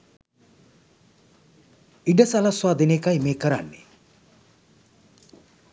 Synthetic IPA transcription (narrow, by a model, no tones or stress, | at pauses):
iɖɐsalaswaːd̪ʱinekajmeːkɐɾa̰nːḛ